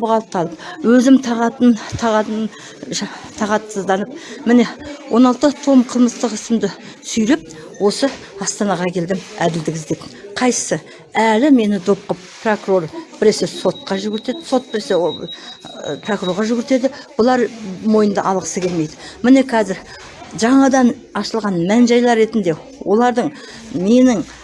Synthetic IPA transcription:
bəʁɑlˠəp̚t̪ʰɑlˠəpwɵzɪmt̪ʰɑʁɑt̪ənt̪ʰɑʁɑn | t̪ʰɑʁɑt̪ːzd̪ɑnəp̚mɪne̞wʔo̞nɑlˠt̪ət̪ʰomqʰəlˠməst̪əqɪsɪmd̪ɪ | sʏjɾɪp̚ | wo̞sə | ɑst̪ɑnɑʁɑkʲʰe̞ld̪ɪmæd̪ɪld̪ɪɡʲɪzd̪e̞pqʰɑj̪ə̥sə | ælɪme̞nɪd̪op̚qəppʰro̞kuro̞rb̥ɪɾesɪso̞t̪̚qɑʒʏɡʲɪɾt̪e̞d̪ɪso̞t̪̚bɪɾese | pʰrokuɾo̞ɾʁɑʒʏɡʲɪɾt̪e̞d̪ɪb̥ʊlˠɑɾmo̞jənd̪ɑ̰ʔɑlˠʁəsəkʲe̞lme̞jd̪ɪmɪne̞kʰɑzɪɾ | ʒɑɴɑd̪ɑn | ɑʃəlˠʁɑnmænʒɑjlˠɑɾːe̞t̪ɪnd̪e̞ | wo̞lˠɑɾd̪əɴ | me̞nɪŋ

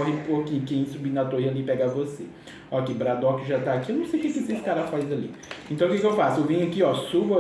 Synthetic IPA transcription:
ɔɦepokĩɲʊkẽj̃subinɐt̪oialipɛɡavose | ɔkebɾad̪ɔkɪʒat̪aːkiewnɐ̃w̃sejukekɪseskaɾafajzalḭẽnt̪ɐ̃w̃kek̬ewfasʊewvĩɲʊakiɔsubɐ

